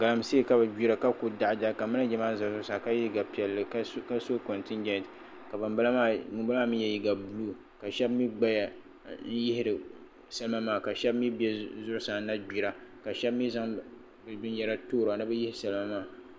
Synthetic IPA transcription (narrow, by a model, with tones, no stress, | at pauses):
ɡa˨la˨˦mseː˦˨ka˦bɨ˨ɡ͡bi˦ɾa˨ka˦ku˨da˨ʔd͡ʒa˦˨ka˨mɨ˦na˦d͡ʒɛ˦maː˦za˨zʊ˦ɾsa˨ka˦ji˦ɡa˨pi˨ɛ˨lːɨ˨kka˦so˦ko˨ntɪ˦nd͡ʒɛ˦nt | ka˨bɨ˨mblma˦˨mu˨ba˦a˦mɨ˦n˦jɛ˨ji˦ɡa˨bu˦lu˦ | ka˨ʃɛ˦bmi˦ɡ͡ba˦ja˨ | n̩˦jɪ˦hɪ˦ɾɨ˨ | sa˦lɨ˦ma˦maː˦˨ka˨ʃɛ˦b̚mi˦bɛ˦zʊ˦ɾsa˨˦na˦ɡ͡bi˨ɾa˨ka˨ʃɛ˦bmi˦za˦ŋ | bɨ˨bi˦n˦jɛ˨ɾa˦toː˦ɾo˨a˨nɨ˦bɨ˦ji˦hɪ˦sa˦lɨ˦ma˦maː˦˨